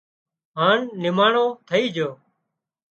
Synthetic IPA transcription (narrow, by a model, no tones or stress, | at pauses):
ɦaːɳːɪmaːɳõːt̪ʰəiːd͡ʒʱoː